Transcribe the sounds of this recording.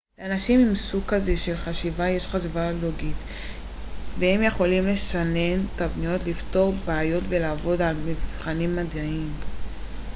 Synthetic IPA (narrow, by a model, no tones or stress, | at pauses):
leanaʃimimsukazeʃe̞lχaʃivaje̞ʃχazvaloɡit | vehemje̞χo̞limle̞ʃane̞ntavnijo̞tlifto̞ʁbeajo̞tve̞laːvo̞dalmivχanimːadaim